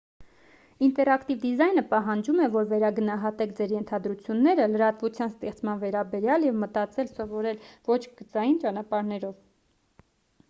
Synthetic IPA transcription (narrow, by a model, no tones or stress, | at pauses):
int̪ɛɾɑkt̪ivd̪izɑjnəpɑɦɑnd͡ʒumɛvɔɾvɛɾɑɡənɑɦɑt̪ɛkʰd͡zɛɾjɛnt̪ʰɑd̪ɾut͡sʰjunːɛɾələɾɑt̪vut͡sʰjɑnst̪ɛχt͡smɑnvɛɾɑbɛɾjɑljɛvmət̪ɑt͡sɛlsɔvɔɾɛlvɔt͡ʃʰɡət͡sɑjint͡ʃɑnɑpɑɾnɛɾɔv